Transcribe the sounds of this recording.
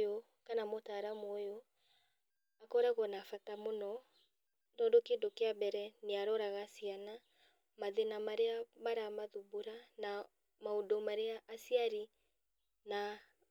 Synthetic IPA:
jo | kanamotaːɾamoːjo | akɔɾɛɣɔnafatamonɔ | dɔdokeːndokeabɛɾɛneaɾɔɾaɣasiana | maðenamaɾeamaɾamaðubuɾana | maodomaɾeaʔːsiaɾi | na

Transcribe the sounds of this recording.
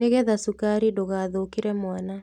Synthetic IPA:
eɣɛðasukaɾidoɣaːðokiɾɛmwana

